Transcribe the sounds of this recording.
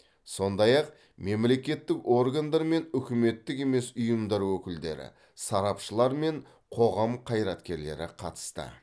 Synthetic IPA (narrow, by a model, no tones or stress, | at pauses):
so̞nd̪ɑjɑq | me̞mle̞kʲe̞t̪ːɪko̞rɡand̪ɑɾme̞nʏkʲɪme̞t̪ːɪke̞me̞sʊjəmd̪ɑɾwɵkʲɪld̪e̞̰ɾɪ̰ | sɑɾɑpʃəlˠɑɾme̞ɴ | qʰo̞ʁɑmqʰɑjɾɑt̪kʲe̞ɾle̞̰ɾɪ̰qʰɑt̪ə̥st̪ə̰